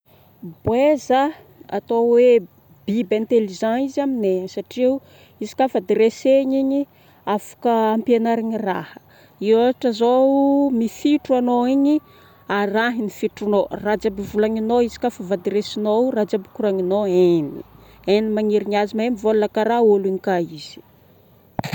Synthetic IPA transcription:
bwezə | a̰t̪owe | bibẽnt̪elizãnizaminesaʈ͡ʂiu | izi̥kʲafad̪iɾeseɲiɲi | afḁkəampjenaɾaɲira̰hə̥ | iwaʈ͡ʂəzomifiʈ͡ʂuanoiɲi | araɦinifiʈ͡ʂunorad͡ʒabivulaɲinoizi̥kʲafavad̪iɾesinorad͡ʒabukuɾaɲinoeni | enimaɲiɾiɲiazimemivollakaɾaoliɲikaiz̥i̥

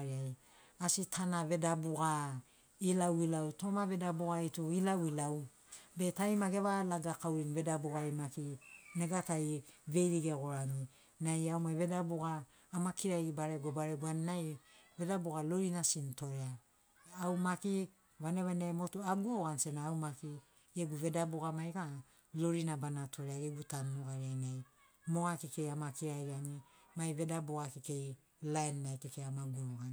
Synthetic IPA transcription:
ɾaj | asitʰanaβe̞dabuɡa | ilawilawto̞maβe̞dabuɡaituilawilaw | be̞tajmaɡe̞βalaɡakawɾinve̞dabuɡajmakine̞ɡatajve̞jɾiɡe̞ɡo̞ɾami | najawmaβe̞dabuɡaː | makiɾajɡibaɾeɡobaɾeɡuanːajve̞daboɡalo̞ɾinasinto̞ɾea | awmaki | βaneβanajmo̞tuaɡuoɡanse̞naːwmaki | eɡuve̞dabuɡamajka | lo̞ɾinabanatʰo̞ɾeaɡeɡutamːuɡaɾiajnaj | mo̞ɡakike̞jamakiɾajɡiani | majβe̞daboɡakike̞j | laenːajkekeamaɡuoɡan

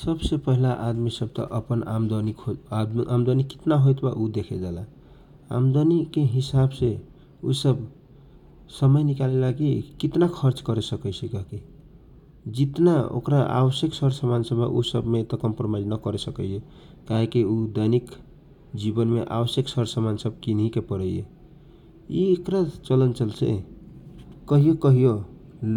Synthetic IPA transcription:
sʌbsepʌɦilaʔad̪misʌb̚t̪ʌ̰ʔəpənamd̪onikʰod̪iʔamd̪oniki̥t̪naɦojt̪baʔud̪ekʰed͡ʒala | a̰md̪onikeɦisabse | usʌb | sʌmʌjnikalelaɡikit̪nakʰʌɾt͡ʃkʌɾesʌkəjsʰekʌki | d͡ʒit̪nao̰kɾaa̰bəsjəksəɾsəmansəba̰ʔusəbmet̪ɔkəmpɾomaid͡ʒnəkəɾesəkəje | kaɦekiud̪anik | d͡ʒibənmeʔa̰bəsjəksəɾsəmansəb̚kinɦikepəɾəjjḛ | iekɾat͡ʃələnt͡ʃəlsʰḛ | kəɦijokəɦijo

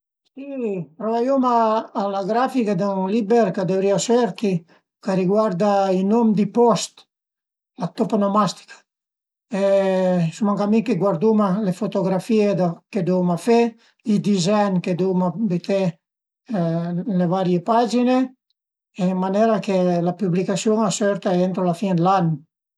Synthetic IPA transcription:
sipɾovajumaːlaɡɾafikad̪aŋlibeɾkad̪evɾiasɛɾk̪i | kaɾiɡwaɾd̪ainomd̪ipɔst̪ | lat̪opanomast̪i̥kḁ | esumaŋkamiŋkeɡwaɾd̪umalefot̪oɡɾafied̪aked̪umafe | id̪izanked̪umabet̪ʰe | levaɾjepad͡ʒine | emmanɛɾakelapyblikasjoŋasɛɾt̪aent̪ɾolafind̪lan

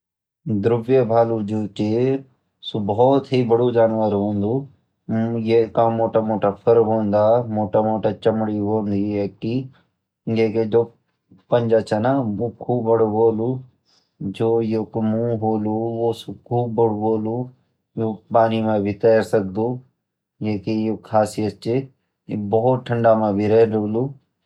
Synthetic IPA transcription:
d̪ɾʊbjebʱaːluːd͡ʒoːt͡ʃe | subɔːt̪ɦibəɽud͡ʒaːnʋaɾɦõːnd̪uː | jekãmoːʈamoːʈapʰəɾɦoːnd̪aːmoːʈamoːʈat͡ʃəmɽiɦoːnd̪iɦɛki | ɡeːked͡ʒoː | pənd͡ʒaːt͡ʃɛnaoːkʰuːbːəɽoboːluː | d͡ʒoːjokmũːɦoːluːoːskʰuːbːəɽboːluː | joːpaːnimãːbʱit̪ɛːɾsək̚d̪uː | jeːkejokʰaːsijət̪̚t͡ʃe | boɦʊt̪̚ʈʰəɳɖaːmãbʱiɾɛɦloluː

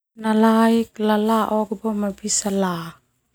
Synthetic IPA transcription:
nalaik̚lalaʔɔɡbɔmabisala

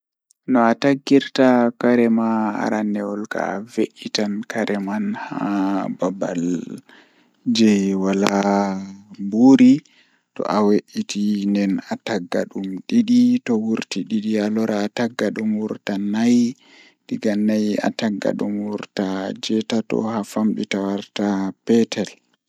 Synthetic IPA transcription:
nɔataɡːiɾtakaɾɛmaa̰ɾanːɛɔlka̰veʔitankaɾʔɛmanhababa̰l | d͡ʒɛjwala | buɾi | tɔ̰ʔaweʔitindɛnataɡːa̰ɗumɗiɗitɔwuɾtiɗiɗialɔɾaːtaɡːaɗumwuɾtanaj | ɗiɡanːaja̰taɡːa̰ɗumwuɾtad͡ʒɛtatɔ̰hafamɗitawaɾtapɛtɛl

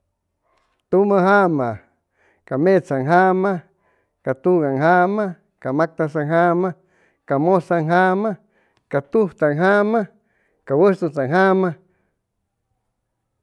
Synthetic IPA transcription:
t̪umaɦama | kamet͡saŋɦama | kat̪uɡaŋɦama | kamak̚t̪asaŋɦama | kamosaŋɦama | kat̪uht̪aŋɦama | kawəst̪ut͡saŋɦama

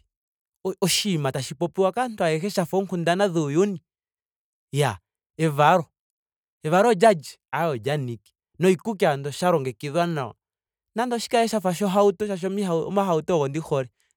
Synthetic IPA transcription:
ɔʃimataʃipɔpiwakantwaɛkɛʃafɔŋkundanaðujuni | ja | ɛvaɾɔ | ɛβaɾɔd͡ʒad͡ʒiajɔd͡ʒaniki̥ | nɔikukiandɔʃaɾɔŋɡɛkiðwanaɔ̰ | nandɔʃi̥kaɛʃafaʃɔɦautɔʃaʃ̬ɔmiɦa̰maɦautɔɔɣɔndixɔɾɛ

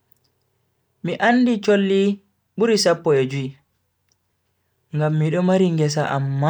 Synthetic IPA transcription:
miʔanːdit͡ʃolːi | ɓuɾisapːɔed͡ʒui | ŋɡamːiɗɔmaɾiŋɡɛs̬aʔa̰mːa

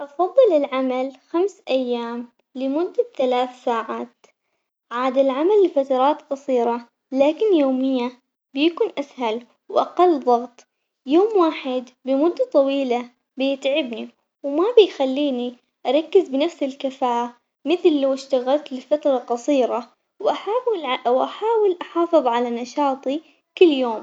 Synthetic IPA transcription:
ʔɑfɑðˤːɨlɪlʕamalxamsʔajːaːm | lɪmʊd̪ːaθalaːθsaːʕaːt̪ | ʕaːd̪alʕamalfat̪ɑɾˤɑːt̪qɑsˤiːɾˤɑ | laːkɪnjoːmɪjːa | bɪjakuːnʔashal | wʔɑqɑlːðˤɑɣt̪ˤ | joːmwaːħɪd̪bɪmʊd̪ːat̪ˤɑwiːla | bɪjɪt̪ʕɪbni | wmabɪjxalːiːni | ʔɑɾˤɑkːɪzbɪnafsɪlkɪfaːʔa | mɪθlːawɪʃt̪aɣalt̪lɪfat̪ɾˤɑqɑsˤiːɾɑ | wʔaħaːwwʔaħaːwɪlʔɑħɑːfɨðˤʕalanɑʃɑːt̪ˤi | kʊlːjoːm

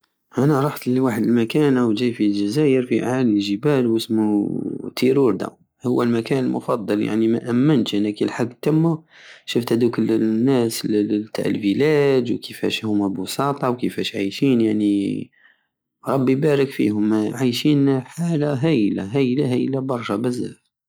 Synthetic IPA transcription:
ʔænæɾˤɑħt̪ləwaħəd̪əlmækænʔawʒæjfilʒæzæjəɾfiʔa̰ʕaliʒəbælwəsmut̪ʰiɾuɾd̪æ̰ | hʊwːælmækænəlmʊ̰fɑd̪ˤːɑlja̰ʕnimæ̰ʔæmːənt̪ʔænːækilħaɡːt̪ːæmːu | ʃəft̪hæd̪ukʊlːnːæslt̪a̰ʕ̰lbilæd̪wkʰəfæ̰ʃhʊmːæbusˤɑt̪ˤɑwkəfæʃʕajʃinjaʕni | ɾˤɑbːibæɾəkfḭhʊmːʕajʃinħalaɦæjla̰ɦæjlaɦæjlabɑɾˤʃæbæzæ̰f

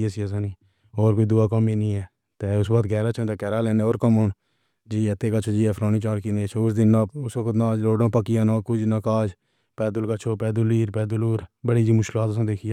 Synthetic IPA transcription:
aːsiːəsãːniː | oːɾkoːiːd̪ʊaːkɔmiːnĩːɛː | t̪eːʊsbaːt̪ɡɛːɾaːt͡ʃʰə̃ːt̪eːkɛːɾaːlɛːneːoːɾkəmoːɳ | d͡ʒiːɛt̪eːkət͡ʃʰoːd͡ʒiːɛːpʰɾaːniːt͡ʃaːɾkinet͡ʃʰoʊsd̪ɪnːaʊsəkt̪nãːd͡ʒloːɖãːpəkɪjãːnãːkʊd͡ʒnəkaːd͡ʒ | pɛːd̪əlkət͡ʃʰoːpɛːd̪ʊliːɾpɛːd̪ʊloːɾbəɽiːd͡ʒiːmʊʃkɪlaːt̪əsãːd̪eːkʰijaː

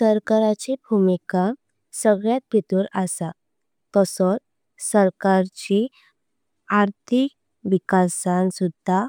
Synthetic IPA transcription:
səɾkəɾat͡ɕibʱumika | səɡɭjat̪̚bit̪uɾasa | t̪ɔsɔt͡s | səɾkaɾt͡ɕi | aɾt̪ʰik | ʋikasãnsud̪ʱa

